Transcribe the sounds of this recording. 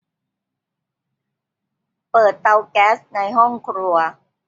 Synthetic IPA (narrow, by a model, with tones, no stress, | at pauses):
pɤː˨˩t̪ːa˧wkɛː˦˥s̚na˧jɦɔ˥˩ŋkʰɾu˧ɐ